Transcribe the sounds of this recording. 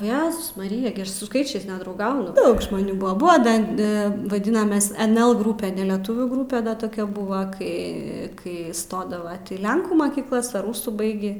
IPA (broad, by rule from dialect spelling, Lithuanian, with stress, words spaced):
oː ˈjæːzʊs mɐˈrʲɪjɛ ɡʲɪ ˈɐʃ sʊ ˈskɐɪt͡ʃʲɛɪs nʲɛdrɐʊˈɡɐʊnʊ ˈdɐʊk ʒmoːˈnʲuː ˈbʊɐ ˈbʊɐ ˈdɐn ˈɐ ʋɐˈdʲɪnɐmʲɛs ɛnʲɛlˠ ˈɡrʊpʲɛ nʲɛlʲɛˈtʊʋʲuː ˈɡrʊpʲɛ dɐ toːˈkʲɛ ˈbʊʋɐ ˈkɐɪ ˈkɐɪ ˈstoːdɐʋɐ iː ˈlʲɛŋkuː mɐkʲiːkˈlˠɐs ɐr ˈruːsuː ˈbɐɪɡʲiː